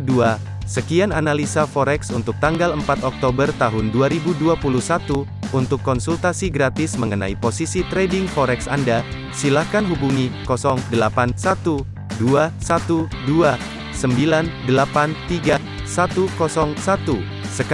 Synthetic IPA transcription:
dua | səkiananalisafɔɾɛksunt̪ʊk̚t̪aŋɡaləmpat̪ɔk̚t̪obərt̪aɦʊnduaɾibuduapuluhsat̪uː | nt̪ʊkːɔnsult̪asiɡɾat̪ɪsməŋəna̰iposisit̪ɾɛdɪŋfɔɾɛksanda | silahkanɦubuŋikɔsɔŋdəlapansat̪u | duasat̪udua | səmbilandəlapant̪iɡa | sat̪ukɔsɔŋsat̪u | sək

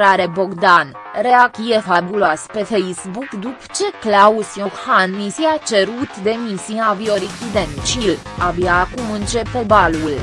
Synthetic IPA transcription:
ɾaɾeboɡd̪an | ɾeakiefabulaspe̞fejsbukd̪upt͡ʃe̞klausjokhannisiat͡ʃe̞ɾut̪d̪e̞misiavioɾikʲid̪ent͡ʃil | abjaːkumɨnt͡ʃe̞pe̞balul

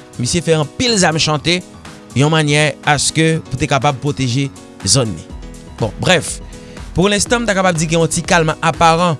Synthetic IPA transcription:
misjefɛɑ̃pilzamʃɑ̃t̪e | jɔ̃manjɛʁaskøput̪ekapab̚pʁot̪eʒe | zɔnːḭ̃ | bɔ̰̃bʁɛf | puʁlɛ̃st̪ɑ̃m̩t̪akapab̚d͡ziɡɛ̃jɔ̃tikalmãʔapaʁɑ̃

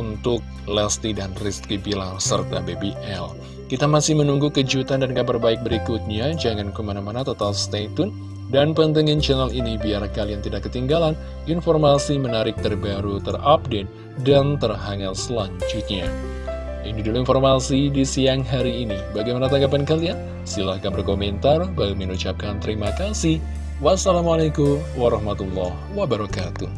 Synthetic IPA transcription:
unt̪ʊk̚ | lɛst̪idanrist̪ɾibilasə̰rt̪a̰bebiʔɛl | kit̪amasɪhmənuŋɡukəd͡ʒut̪andankabərbaɪk̚bəɾikut̪̚ɲad͡ʒaŋankəmanamanat̪ot̪alst̪at̪ʊn | danpənt̪̬əŋɪnt͡ʃɛnalinibiarkaliant̪idakːət̪iŋɡalan | informasimənaɾɪk̚t̪ərbaɾut̪ərap̚det̪̚ | dant̪ərɦaŋat̪səlaɲt͡ʃit̪̚ɲa | ʔaŋndidulinformasidisiaŋɦaɾiːnibaɡajmanat̪aŋɡap̬ankalian | silahkanbərkomɛnt̪arbalumənut͡ʃap̚kant̪əɾimakasi | wasalamalakumwaɾɑhmat̪ulːɔhwabaɾɔkat̪u

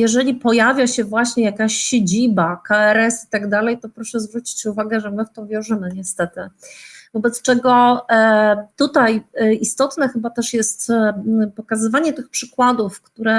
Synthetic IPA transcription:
jɛʐɛlʲipɔjavʲjaɕɛvwaɕɲɛjakaɕɕed͡ʑibakaɛɾɛsi̥t̪aɡd̪alɛjt̪ɔpɾɔʂɛzvɾut͡ɕi̥t͡ɕuvaɡɛʐɛmɘft̪ɔ̃vʲjɔ̃w̃ʐɘmɘɲɛst̪ɛt̪ɘvɔbɛt̪st͡ʂɛɡɔ | t̪ut̪ajist̪ɔt̪nɛxɘbat̪ɛʂjɛst̪pɔkazɘvaɲɛt̪ɘxpʂɘkwad̪ufkt̪uɾɛ

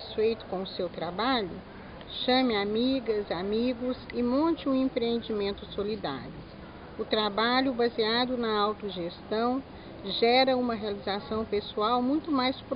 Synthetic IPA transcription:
sfejt̪ʊ̥kõʊsewt̪ɾabaʎʊ | ʃɐ̃mɪamiɡɐzamiɡʊzɪmõnt͡ʃɪũẽmpɾeẽnd͡ʒimẽnt̪ʊsolid̪a̰ɾjʊ | ʊt̪ɾabaʎʊbɐziad̪ʊnɐawt̪ʊʒest̪ɐ̃w̃ | ʒɛɾɐũmɐɦealizasɐ̃w̃pesuawmũj̃t̪ʊmajsp

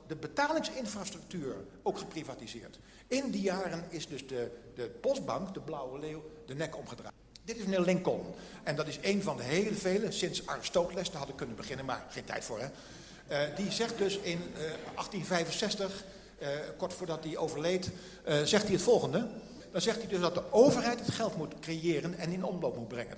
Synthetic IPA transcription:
dəbətaːlɪŋsɪnfraːstrɵk̚tyːɹ | owkχəprivaːtizɪːɹt | ɪndijaːrənɪzdɵzdədəpɔstbɑŋkdəblʌwəleːwdənɛkɔmχədra̰ː | dɪtɪsnɪlɪŋkɔn | ɛndɑtɪsejnvɑndəɦejləvejlənsɪnsaːrəstowklɛstdaɦɑtɪkːɵnənbəχɪnənma̰ːɹχejntɛ̰jtfʊːɹɦɛ | dizɛχt̚dɵsɪnʔɑχtinvɛjvənsɛstəχ | kɔɹtfʊːɹdɑt̚diowvəɹlejt | zɛχtdiɦətfɔlˠχəndə | d̥ɑnzɛχtdidɵzdɑt̚dəʔowvəɹɦɛjtɦətχɛlˠtmutkrejɪːrənɛnɪnɔnəlowpmut̚brɛŋə̰n

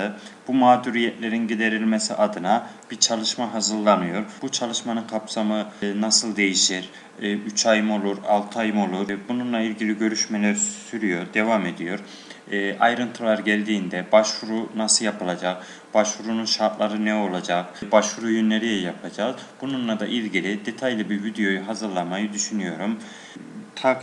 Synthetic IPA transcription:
ɯb̥umaːd̪uɾijɛt̪lʲe̞ɾinɟid̪e̞ɾilʲmesiʔad̪ɯnab̥iɾt͡ʃʰalˠɯʃmaɦazɯɾlˠanɯjo̞ɾb̥ut͡ʃʰalˠɯʃmanɯnkʰapsamɯnasɯlˠd̪e̞jiʃiɾ | yt͡ʃʰajɯmo̞lˠuɾalˠt̪ʰɯajɯmo̞lˠuɾbununlˠailʲɟilʲiɟøɾyʃmelʲeɾisyɾyjo̞ɾd̪e̞vame̞d̪ijo̞ɾ | ʔajɾɯnt̪ʰɯlˠaɾɟælʲd̪iːnd̪ɛbaʃvuɾunasɯjapʰɯlˠad͡ʒak | b̥aʃvuɾununʃaɾt̪lˠaɾɯnɛo̞lˠad͡ʒakbaʃvuɾujynlːʲeɾijɛjapʰad͡ʒaːz | b̥ununlˠad̪aʔilʲɟilʲid̪e̞t̪ʰajlʲˠɯbiɾvid̪ejo̞juɦazɯɾlˠanmajɯd̪yʃynyjo̞ɾum | t̪ʰak

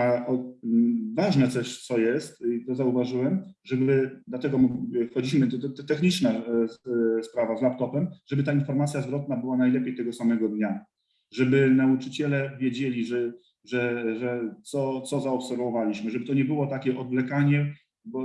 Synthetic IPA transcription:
aɔ | vaʐnɛt̪sɔɕt̪sɔjɛst̪it̪ɔzauvaʐɘwɛmʐɛbɘd̪lat̪ɛɡɔmfxɔd͡ʑiɕmɘt̪ɛxɲit͡ʂna | spɾavazlapt̪ɔpɛmʐ̥ɛbɘt̪̬ainfɔɾmat̪sʲjazvɾɔt̪̚nabɘwanajlɛpʲjejt̪ɛɡɔsamɛɡɔd̪ɲa | ʐɛbɘnaut͡ʂɘt͡ɕɛlɛvʲjed͡ʑelʲiʐɛ | ʐɛʐɛt̪sɔt̪sɔzaɔpsɛɾvɔvalʲiɕmɘʐɛbɘt̪ɔɲɛbɘwɔt̪akʲɛʔɔd̪vlɛkaɲɛ | bɔ

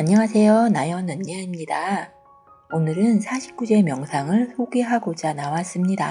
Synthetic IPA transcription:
aɲːʌŋasʰe̞jonajʌnɯnːeimɲida | onɯɾɯnsʰaɕʰi̥p̚k͈ud͡ʑe̞mjʌŋsʰaŋɯɭsʰoɡeɦaɡod͡ʑanawas͈ɯmɲida

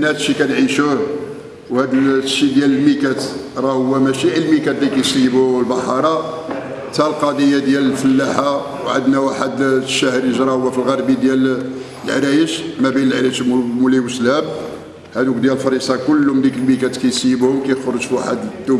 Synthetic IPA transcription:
nhæd̪ʃikænʕiʃu | whæd̪ʃid̪jæləlmikæt̪ | ɾˤɑhʊwːæmæʃiʕilmikæt̪likæjsijbulbɑħɑɾˤɑ | t̪ælqɑd̪ijːad̪jæləlfəlːaħa | wʕəd̪næwaħəd̪ʃːæhɾəʒɾˤɑhʊwːæfilɣɑɾˤbid̪jæl | lʕɾæjəʃmæbinəlʕɾiʃmuliwəʃlæm | hæd̪ukd̪jælfɑɾisˤɑkʊlːʊmd̪ikəlmikæt̪kæjsˤiːəbhʊmkæjxoɾˤəʒfwaħəd̪d̪ːu

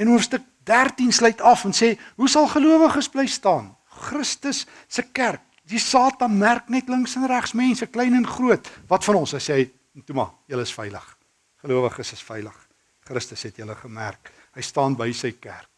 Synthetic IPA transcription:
ɛnɦuəfstək̚dærtinsləjtɐfənseːɦusɐlˠχəluəvəχəsbləjstɑːn | χrəstəsː | əkærk̚disɑːtɐnmærknɛtləŋksɛnræχsmɛnsəklɛjnɛnχruətvɐtfɐnɔnsɦəjsɛj | ntumɑ̰jələəsfɛjlə̰χ | χəluəvəχəsəsfɛjlə̰χ | χrəstəsɦɛtjələχəmæ̰rk̚ | həjstɑːnbəjsəjkæ̰rk̚

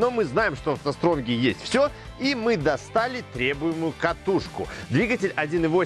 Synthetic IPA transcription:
no̞mɨznajɪmʂt̪ofzɐst̪ɾomɡʲɪjesʲtʲfsʲo | imɨd̪ɐst̪alʲɪt̪ɾʲe̞bʊjɪmʊjʊkɐt̪uʂkʊ̰d̪vʲiɡətʲɪlʲɐdʲinɨvo̞

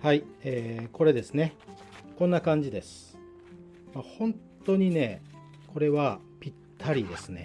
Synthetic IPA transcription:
haieko̞ɾe̞d̪e̞sɨne̞ | kõ̞nːakãɲ̟d͡ʑid̪e̞sɨ̥ | mahõ̞nt̪o̞ɲ̟ine̞ | ko̞ɾe̞βa | pʲit̪ʰːaɾʲid̪e̞sɨne̞̰

